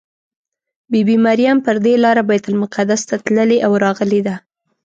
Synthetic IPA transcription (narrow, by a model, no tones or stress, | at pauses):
bebimaɾijampəɾd̪elɑɾabajt̪ʊlmʊqad̪ast̪at̪ləleʔawɾɑɣəled̪a